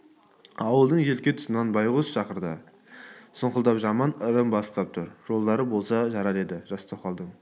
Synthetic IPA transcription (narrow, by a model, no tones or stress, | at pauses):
ɑwəlˠd̪əɴʒe̞lkʲet̪ʰʊ̥sənɑnbɑjʁʊsʃɑqəɾd̪ə̰ | səɴqəlˠd̪ɑpʒɑmɑnəɾəmbɑst̪ɑp̚t̪ʰʊɾʒ̥o̞lˠd̪ɑɾəbo̞lˠsɑʒɑɾɑɾe̞d̪ɪʒ̥ɑst̪ʰoqɑlˠd̪əɴ